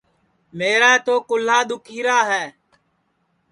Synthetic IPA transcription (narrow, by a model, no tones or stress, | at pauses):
meːɾaːt̪oːkʊl̤aːɗ̪ʊkʰiːɾaːɦɛː